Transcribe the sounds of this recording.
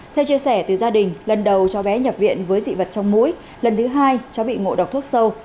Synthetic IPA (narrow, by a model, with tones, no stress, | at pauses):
t̪ʰɛ˧wt͡ɕi˧əsɛ˧˩t̪ɨ˨˩zaː˧ɗï˨˩ŋ̟lə˨˩nɗə˨˩wt͡ɕɔ˨˦ɓɛ˨˦ɲə˨˩p̚vḭ˧˨ənvəː˨˦jzḭ˧˨və˨˩t̚t͡ɕɔ˧wŋ͡mmṵ˧˥j | lə˨˩nt̪ʰɨ˨˦ɦaː˧jt͡ɕɔ˨˦ɓḭ˧˨ŋo̰˧˨ɗ̚t̪ʰu˦˥k̚sə˧w